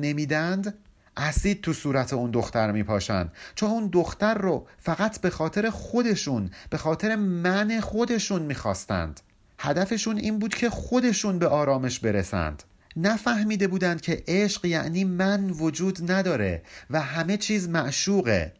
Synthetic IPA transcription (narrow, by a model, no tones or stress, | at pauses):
ne̞miːd̪ænd̪ | ʔæsiːd̪̥̚t̪ʰusuːɾæt̪ʰe̞und̪o̞xt̪æɾmiːpʰɒːʃæ̰nd̪̥t͡ʃʰonund̪oxt̪æɾːofæɣæt̪ʰbe̞xɒːt̪ʰe̞ɾe̞xo̞d̪e̞ʃunb̥e̞xɒːt̪ʰe̞ɾe̞mæne̞xo̞d̪e̞ʃunmiːxɒ̰ːst̪æ̰nd̪̥ | hæd̪æfe̞ʃunʔiːnbuːd̪̥cʰe̞xo̞d̪e̞ʃunbe̞ʔɒːɾɒːme̞ʃbe̞ɾe̞sæ̰nd̪̥ | næfæhmiːd̪e̞buːd̪ænd̪̥̚cʲʰe̞ʔeʃɢjæ̰ʔniːmænvo̞d͡ʒuːd̪næd̪ɒːɾe̞̰væɦæme̞t͡ʃʰiːzmæʔʃuːɣḛ